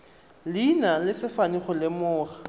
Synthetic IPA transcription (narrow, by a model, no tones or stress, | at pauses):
linalɪsɪfaniχɔlɪmʊːχḁ